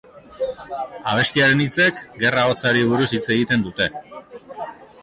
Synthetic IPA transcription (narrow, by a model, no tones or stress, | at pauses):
aβ̞e̞st̪iaɾe̞nit͡se̞kɡe̞rao̞t͡saɾiβ̞uɾusit͡se̞ɣit̪e̞nd̪ut̪e̞